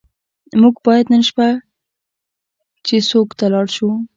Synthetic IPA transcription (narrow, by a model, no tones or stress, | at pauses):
muɡbɑjad̪nənʃpa | t͡ʃesokt̪alɑɽʃu